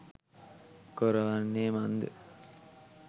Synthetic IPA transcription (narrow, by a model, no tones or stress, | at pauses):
koɾɐʋɐnːeːmɐnd̪ɨ̰